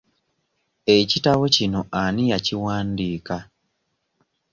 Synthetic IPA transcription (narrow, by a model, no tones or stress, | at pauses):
ecitawocinoʔanijaciwaːndiːka